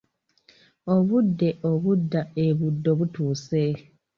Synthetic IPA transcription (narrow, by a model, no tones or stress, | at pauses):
oβudːeʔoβudːaeβudːoβutuːse